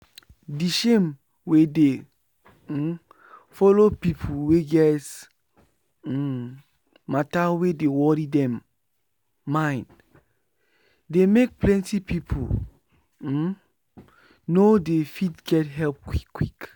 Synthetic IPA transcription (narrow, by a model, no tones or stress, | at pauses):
diʃẽm | wede | fɔlopipʰuweɡɛs | matawedewɔɾidɛ̃m | ãɪ̃nd | demek̚plɛ̃ntipipʰṵ | nodefitɡɛtɦɛlp̚kwikwik